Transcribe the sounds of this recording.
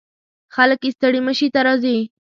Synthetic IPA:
xaləkist̪əɽiməʃit̪aɾɑzi

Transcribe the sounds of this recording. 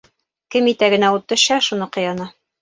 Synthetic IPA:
kɘmit̪æɡɘ̆næut̪ːɤ̆ɕɑʃunɤqŏjɑnɑ

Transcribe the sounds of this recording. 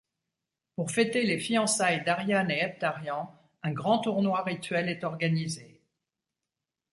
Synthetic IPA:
puʁfɛt̪elefiɑ̃sajd̪aʁjaneɛp̚t̪aʁjɑ̃ | ɛ̃ɡʁɑ̃t̪uʁnwaʁit̪ɥɛlɛt̪ɔʁɡanize

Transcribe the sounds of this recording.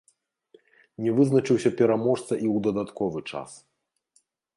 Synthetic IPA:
nʲɛvɨznɐt͡ʂɨwsʲɐpʲɛɾamɔʂt̪sɐʔiwd̪ɐd̪at̪kɔvɨt͡ʂa̰s

